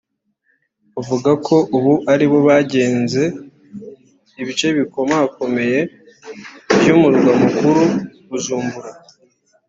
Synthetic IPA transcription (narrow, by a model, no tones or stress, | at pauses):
uvuɡakʰo̞ʔuβuʔaɾiβo̞βaɟe̞ːnze̞ | iβit͡ʃe̞βiko̞mako̞me̞je̞ | βjomuɾuɡamukuɾu | uzuːmbuɾa